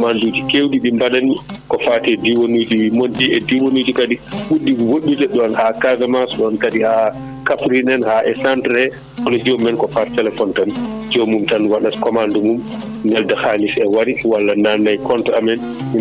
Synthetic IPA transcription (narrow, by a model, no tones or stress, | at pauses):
kmandud͡ʒikewdiɗimbaɗanikɔfatɛdiwonud͡ʒiwimɔndiɛdiwonud͡ʒikaɗiɓudːiwoɗːutɛɗɔnhakavɛmasɔɗɔnkaɗiha | kafɾinɛnhaʔɛsantɾɛ | ʔɔnɔd͡ʒɛmɛnkɔfattɛlɛfɔntand͡ʒɔmumtanwaɗaskɔmandɔmum | nɛldahalisɛwaɾiwalːananːajkɔntaamɛn | mi